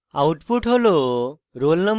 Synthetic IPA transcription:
auʈpuʈʰɦolo | ɾolnəm

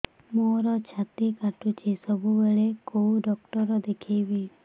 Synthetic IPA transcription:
moɾɔt͡ʃʰat̪ikaʈʰut͡ʃʰesəbʱubəɭekouɖɔk̚ʈɔɾɔd̪ekʰeʋi

